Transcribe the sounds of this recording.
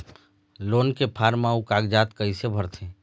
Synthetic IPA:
loːnkepʰaːɾmaːukaːɡd͡ʒaːt̪kəisebʱəɾt̪ʰẽː

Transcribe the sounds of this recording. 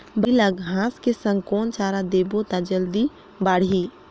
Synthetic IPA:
biləɡɦãːskesə̃ŋkoːnt͡ʃaːɾad̪eːbot̪ad͡ʒəld̪i | baːɽ̤i

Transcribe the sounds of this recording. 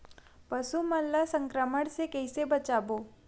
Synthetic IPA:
pɐsumɐlːasə̃ŋkɾəməɽ̃sekɛɪsebɐt͡ʃaːboː

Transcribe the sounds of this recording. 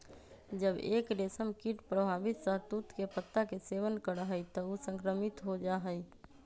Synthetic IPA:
d͡ʒəbḛːkɾeːsəmkiʈpɾəbʱaːbɪt̪səɾt̪ut̪kepət̪ːakeseːʋənkəɾəɦəit̪əusə̃ŋkɾəmɪt̪ɦod͡ʒaɦəi

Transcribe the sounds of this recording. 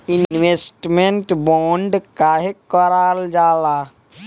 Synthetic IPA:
innʋesʈmeɳʈbɔːɳɖkaɦekɔɾaːld͡ʒaːlaː

